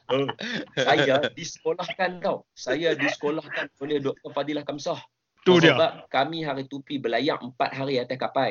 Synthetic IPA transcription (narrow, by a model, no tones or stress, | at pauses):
əsajadisə̥kolahkant̪awsajadisə̥kolahkanonɪhdɔk̚t̪ɔrfadilahkamsɔh | t̪usəbap̚kamĩɦaɾit̪upibəlajaŋəmpa̰t̪̚ɦaɾiat̪ahkapaj